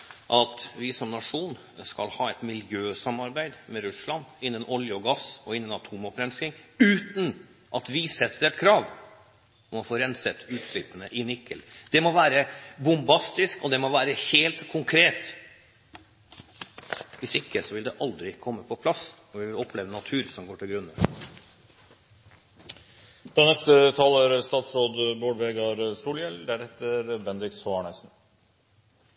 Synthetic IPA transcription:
ʔɑt̪ʋɪsɔmnɑʂuːn | skɑlhɑːɛt̪mɪljøːsɑmːɑɾbæɪd̪mɛɾʉslɑnɪnːənʔɔljəɔɡɑsɔɪnːənɑt̪ʰuːmɔpɾɛnskɪŋʉːt̪n | ʔɑt̪ʋɪsɛt̪ɾɛt̪kʰɾɑːʋ | ɔmɔfoːɾɛnsɛt̪ːʉːt̪ʂlɪpːənəʔɪnɪkʰːəld̪̥ɛmɔʋæːɾəbʊmbɑst̪ɪskɔd̪ɛmɔʋæːɾəheːlt̪kʰʊŋkʰɾeːt̪ | ʋɪsɪkːəsɔʋɪld̪ɛʔɑld̪ɾɪkʰɔmːəpʰɔpʰlɑs | ɔʋɪʋɪlɔpʰːleːʋənɑt̪ʰʉːɾsɔmɡoːʈʰɪlɡɾʉnːə | d̪̥ɑnɛst̪ət̪ʰɑːlæɾst̪ɑːt̪sɾoːd̪boːɖʋeːɡɑɾsuːljɛld̪æɾheːt̪əɾbɛnd̪ɾɪkshoɳæsn̩

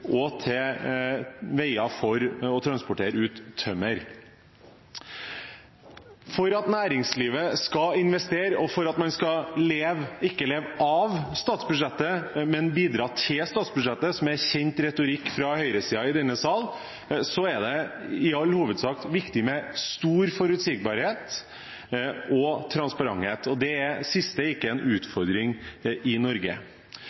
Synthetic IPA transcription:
ʔɔt̪ʰɛ | ʋæɪɑfɔɾɔt̪ʰɾɑnspʊʈʰeːɾəʉːt̪ʰːœməɾ | fɔɾɑt̪næːɾɪŋsliːʋəskɑɪnʋɛst̪eːɾɔfɔɾɑt̪mɑnskɑleːʋɪkːəleːʋʔɑʋst̪ɑːt̪sbʉʂɛt̪ːəmɛnbiːd̪ɾɑːt̪ʰɪlst̪ɑːt̪sbʉʂɛt̪ːəsɔmæɾçɛnt̪ɾɛt̪ʊɾɪkːfɾɑhœʏɾəsiːɑɪd̪ɛnːəsɑl | sɔæɾɖ̪ɛɪɑlːhuːʋəd̪sɑːk̚t̪ʋɪkt̪ɪmɛst̪uːɾfɔɾʉt̪sɪɡ̚bɑːɾheːt̪ | ɔt̪ʰɾɑnspɑɾɑ̰ŋheːt̪ɔd̪ɛæsɪst̪əɪkːəɛnʔʉːt̪fɔɾd̪ɾɪŋɪnɔɾɡə̰

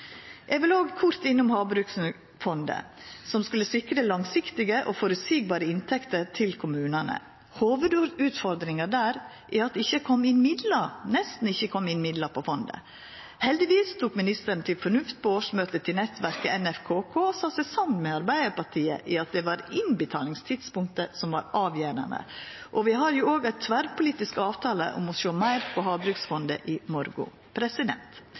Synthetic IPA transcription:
ʔɛɡʋɪloːɡkʰʊɾt̪ɪnːʊmhɑːbɾʉksn | fɔnd̪ə̰sɔmskʉləsɪkɾəlɑŋsɪkt̪ɪɡəʔoːfɔɾʉsiːɡ̚bɑːɾəɪnt̪ʰɛkt̪əɾt̪ʰɪlkʰʊmʉːnənə̰ | hoːʋəd̪ʉːt̪fɔɾd̪ɾɪŋəd̪æːɾ | ʔɪɑt̪̚d̪ɛɪçːəkʰɔmːɪnmɪd̪lənɛst̪n̩ɪçːəkʰɔmːɪnmɪd̪ləɾpʰɔfɔnd̪ə̰ | hɛld̪ɪʋiːst̪ʰuːkmɪnɪst̪əɾɳnt̪ʰɪlfɔɳʉft̪̚pʰɔoːʂmøːt̪ət̪ʰɪlnɛt̪ʋæɾkəɛnɛfkʰoːkʰoːsɑːtsæɪsɑmmɛɑɾbæɪd̪əɾpɑʈʰiːə̰ʔɪɑt̪̚d̪ɛʋɑɾɪnbət̪ʰɑːlɪŋst̪ʰɪd̪spʊŋk̚t̪əsɔmʋɑ̰ɾɑːʋjøːɾə̰nə̰ʔɔʋɪɦɑɾjʊoːɡæɪt̪ʰʋæɾpʊliːt̪ɪskɑːʋt̪ʰɑːlə̰ʔɔ̰mɔʃoːmæɪɾpʰɔɦɑːbɾʉksfɔnd̪ə̰ʔɪmɔɾɡʊ̰ | pʰɾɛsɪd̪ɛ̰nt̪

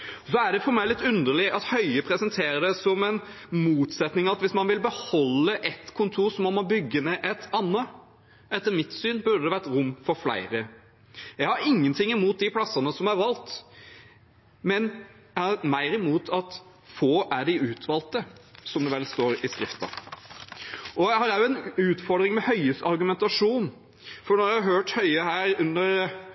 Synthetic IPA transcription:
ɔsɔæɖɛfɔɾmæɪlɪt̪ːʉnd̪əɾɭɪʔɑt̪hœʏəpʰɾɛsənt̪ʰeːɾəd̪ɛsɔmɛɪn | muːt̪sɛt̪nɪŋɑt̪ʋɪsmɑnʋɪlbəhɔlːəʔɛt̪kʰʊnt̪ʰuːɾsɔmːɔmɔbʏɡːənɛʔɛt̪ɑnːə | ɛt̪ːəɾmɪt̪syːnbʉɾɖ̪əd̪ɛʋæʈ̪ɾʊmːfɔɾflæ̰ɪɾə | jɛɡhɑɾɪŋːənt̪ʰɪŋːɪmuːt̪̚d̪ɪpʰlɑsːənəsɔmæɾʋɑlt̪ | mɛn | jæhɑɾmæɪɾɪmuːt̪ʰɑt̪ | foːʔæɖɪʉːt̪ʰʋɑːlt̪əsɔmd̪ɛʋɛlːst̪oːɾɪskɾɪft̪ɑ̰ | ʔɔjæɪhɑɾæjʊɛnʉːt̪fɔɾɖ̪ɾɪŋmɛhœʏəst̪ɑɾɡʉmɛnt̪ɑʂuːn | fɔɳɔɾjæɪhɑɾɦøːʈhœʏəhæːɾʉnːəɾ

